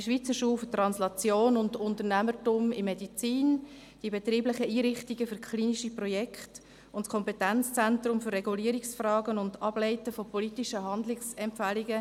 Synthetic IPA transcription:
iʃʋit͡səʃuːlftrɑnslɑt͡sjoːnʊndʊntərnæmətumɪmːedit͡siːn | d̥iəbet̪ɾiːblɪχəiːɾɪχtiɡ̥əfʏɾkχliːniʃiprɔjɛkʰχt | ʊntskʰɔmpɛtænt͡st͡sɛntɾʊmfʏrːɛɡuliːɾiksfrɑːɡənʊndɑb̥lɛɪtəfɔpɔlitiʃəɦɑndlɪksɛmpfæliɡə

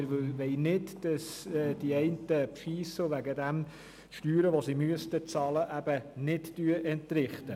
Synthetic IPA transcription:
ɪɾʋɪlʋɛɪnɪdd̥ɑsd̥iɛɪntəpfiːsʊʋæɡədæm | ʃtyːɾəʋosimyəstət͡sɑːləʔæb̥ənɪtd̥yːəʔɛntɾɪχtə

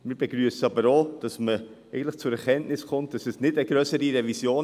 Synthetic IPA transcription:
mɪːɾbeɡɾyəsəɑbəɾod̥ɑsmə | ɛɪɡən̩tləχt͡sʊɾɛɾkɛnnɪskʊnt̚d̥ɑsɛsnɪdəɡɾœsəɾiɾɛvisjoːn

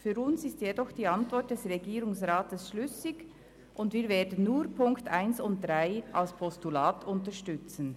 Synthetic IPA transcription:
fyːɾʊnsɪstjedɔχd̥iːɑntv̥ɔʁt̚d̥ɛsʁɛɡiːɾʊŋsʁaːtəsʃlʏsɪɡ | ʔʊndviːɾveːɐdən̩ːuːpʰʊŋktaɪnsʊnt̚d̥ʁaɪʔalspʰɔstulaːtʰʊntəʃtʏt͡sən̩

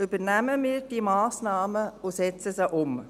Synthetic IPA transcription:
ybəɾnæməmiːɾd̥iːmɑːsnɑːməʊsɛt͡səsəʔʊm

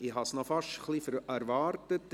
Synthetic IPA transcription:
ihɑsnɔfɑʃχlifəɾæɾvɑːɾtət

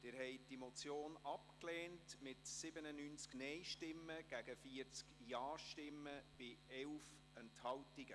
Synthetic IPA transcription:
d̥ɪɾɦɛjd̥imot͡sjoːnɑpklɛːntmɪtsɪbənənyːnt͡sknɛjʃtɪmːəɡ̥æɡəfiəɾt͡skjɑːʃtɪmːəb̥ɪɛwf | ɛnthɑwtiɡə

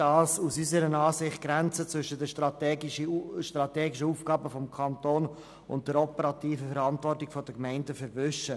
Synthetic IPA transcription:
d̥ɑːsusysəɾənɑːsɪχt̚ɡ̥ɾɛnt͡sət͡svʏʃədəʃtɾɑtɡʃtɾɑtɛːɡɪʃəuːfɡ̥ɑːbəfɔmkʰɑntoːn | ʊnt̚d̥ɛɾɔpəɾɑtiːfəfɛɾɑntvɔrtɪkfɔd̥əkmɛɪndəfɛɾvʏʃə

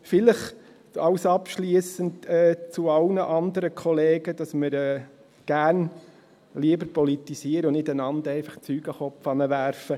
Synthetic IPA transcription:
fɪləχ | ɑʊsɑpʃliːsəntɛːt͡sʊɑlnəʔɑnd̪əɾəkʰɔleːɡəd̥ɑsməɾɛː | ɡ̥æːɾn | liəbəɾpɔlitisiəɾəʊnɪtænɑnd̪ɛɪfɑχt͡syːɡ̥əχɔpfɑnəʋæɾfə

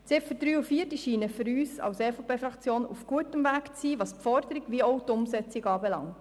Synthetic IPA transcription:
t͡sɪpfəd̥ɾyːufiːərtiʃiːnəfʏɾyːsɑ̰wsɛːfopʰeːfɾɑkt͡sjoːnṵfɡ̥uətəmvæːkt͡siːʋɑːspfɔɾd̪əɾiɡʋiəɔwtʊmsɛt͡sɪɡɑːbɛlɑ̰ŋt

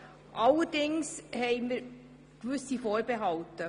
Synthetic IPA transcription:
ʔɑlːəɾdɪŋshɛɪmiɾ | kʋʏsifoːɾbeɦɑltə

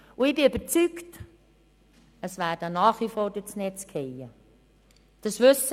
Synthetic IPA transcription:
ʊɪbɪyb̥əɾt͡sykt | əsvæːɾd̥ənɑːχʋifɔːɾd̥ɪt͡snɛt͡skʰɛjə | d̥ɑsʋʏs

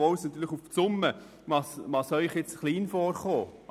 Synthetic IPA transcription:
ɔwsnɑt̪ːyːləχufsʊmːə | ʋɑsʋɑsœʏχjɛt͡sχliːnfɔːrχoːʔ

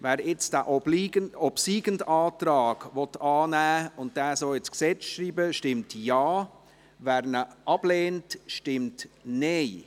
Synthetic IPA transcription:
vɛːɾɪt͡sd̥æːʔɔliɔbsiːɡəndaːtɾɑːɡ̥vɔtɑːnæːʊnt̚d̥ɛːsoɪt͡sksɛt͡sʃɾiːbəʃtɪmtjaː | væːɾnəʔɑb̥leːntʃtɪmtneɪ

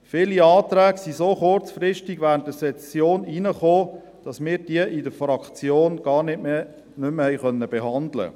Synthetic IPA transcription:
fɪliɑːtɾæːɡsisoːχʊrt͡sfrɪʃtiɡʋæːɾəntəsɛt͡sjoːniːnəχoː | d̥ɑsmɪːɾd̥iəʔɪdəfɾɑkt͡sjoːnɡ̥ɑːɾnɪtme | nʏmhɛjχœnːəb̥eɦɑndlə̰

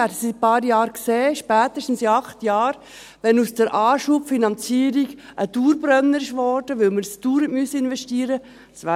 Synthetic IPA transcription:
æːdəsipɑːɾjɑːɾkseːʃpæːt̪əʃtn̩siɑχtjɑːɾ | ʋɛnusd̥əɾʔɑːʃupfinɑnt͡siːəɾiɡʔəd̥uːɾbɾœnːəɾɪʃʋɔːɾd̥əʋʏlməɾsd̥uːɾətmysəɪnʋɛʃtiːɾə | dsʋæː

